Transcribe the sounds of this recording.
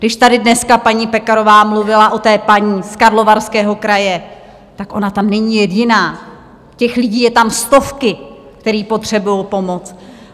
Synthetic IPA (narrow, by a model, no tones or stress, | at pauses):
ɡdɪʃt̪adɪdnɛskapaɲiːpɛkaɾo̞vaːmluvɪlaʔo̞t̪ɛːpaɲiːskaɾlo̞vaɾskɛːɦo̞kɾajɛ | t̪akʔo̞nat̪amnɛɲiːjɛɟɪnaː | cɛxlɪɟiːjɛt̪amst̪o̞fkɪ | kt̪ɛɾiːpo̞t̪r̝̥ɛbujowpo̞mo̞t͡s